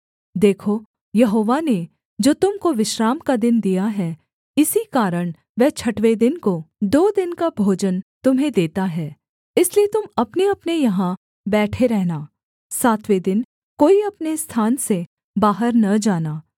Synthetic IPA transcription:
d̪eːkʰo | jɐɦoːʋane | d͡ʒoːt̪ʊmkoʋɪʃɾaːmkad̪ɪnd̪ijaɦɛ | ɪsikaːɾəɽ̃ | ʋɛɦt͡ʃʰɐʈʋed̪ɪnkod̪oːd̪ɪnkabʱoːd͡ʒənt̪ʊmɦẽd̪eːt̪aɦɛː | ɪsliet̪ʊmɐpneɐpnejɐɦã | bɛːʈʰeɾɛɦnaː | saːt̪ʰʋed̪ɪn | koːiɐpnest̪ʰaːnse | baːɦəɾnɐd͡ʒaːnaː

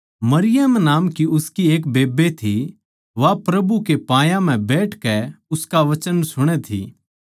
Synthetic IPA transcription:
mɐɾɪjəmnaːmkiʊskieːkbeːbet̪ʰi | ʋapɾɐbukepãːjãm̤ɛ̃bɛːʈʰkɛʊskaʋɐt͡ʃənsʊɽ̃ɛt̪ʰḭː

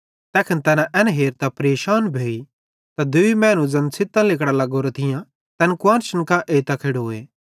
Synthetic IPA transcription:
t̪ɛːkʰənt̪ɛːnãʔɛnɦeːɾt̪apɐɾeːʃaːnbʱeːi | t̪ad̪ʊimɛ̃ːnũd͡zɐnsʰɪt̪ːãlɪkɽalɐɡoːɾat̪ʰɪjã | t̪ɛnkwãːnʃənkãʔeːt̪akʰeɽoːeː

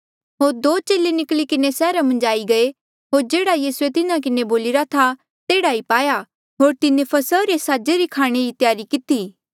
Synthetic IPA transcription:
ɦoːɾd̪oːt͡ʃeːlenɪklikɪnesɛːɾamɐ̃nd͡ʒaːiɡɐe | ɦoːɾd͡ʒeːɽajiːsuet̪ɪnak̬ɪneboːlɪɾat̪ʰa | t̪eːɽaipaːja | ɦoːɾt̪ɪnẽpʰɐsəɾesaːd͡ʒeɾikʰaːɽ̃eit̪jaːɾikɪt̪iː

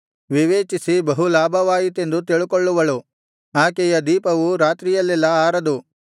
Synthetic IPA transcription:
ʋiʋeːt͡ʃisibɐɦulaːbʱɐʋaːjit̪e̞nd̪ut̪iɭukoɭːuʋɐɭu | aːkɛjɐd̪iːpɐʋuɾaːt̪ɾijɐlːɛlːɐaːɾɐd̪u

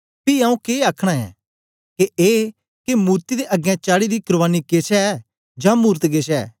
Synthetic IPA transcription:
piãːũkeaːkʰɽ̃aɛ̰ː | keʔeː | kemuːɾt̪id̪eʔɐɡɛ̃t͡ʃaːɽid̪ikʊɾʋaːniket͡ʃɛ | d͡ʒãːmuːɾt̪ɡeʃɛ̰ː

